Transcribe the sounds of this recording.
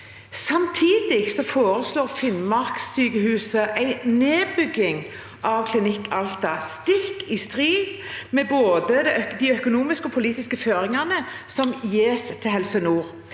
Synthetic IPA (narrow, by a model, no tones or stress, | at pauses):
sɑmt̪ʰiːd̪ɪɡsɔfoːɾəsloːʁfɪnmɑʁksyːkəhʉːsəʔæɪneːbʏɡːɪŋ | ʔɑʋkʰlɪnɪkʰːɑlt̪ɑst̪ɪkːɪst̪ʁiːd̪ | mɛboːd̪əd̪ɛd̪ɪœkʊnuːmɪskɔpʰʊliːt̪ɪskəføːɾɪŋɑnə | sɔmjeːst̪ʰɪhɛlsənuːʁ